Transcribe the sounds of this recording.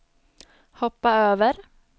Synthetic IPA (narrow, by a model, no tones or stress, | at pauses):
hɔpːaøːʋəɾ